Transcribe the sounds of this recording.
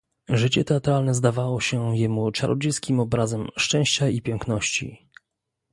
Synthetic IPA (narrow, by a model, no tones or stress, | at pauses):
ʐɘt͡ɕɛt̪ɛat̪ɾalnɛzd̪avawɔɕɛjɛmut͡ʂaɾʔɔ̰d͡ʑejskʲimɔbɾazɛmʂt͡ʂɛ̃w̃ɕt͡ɕaipʲjɛŋknɔɕt͡ɕḭ